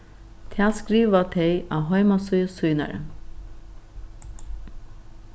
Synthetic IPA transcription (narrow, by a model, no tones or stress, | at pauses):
t̪ʰaːskɾiːʋat̪ʰɛɪa̰ɦɔʏmasujsujna̰ɾə̰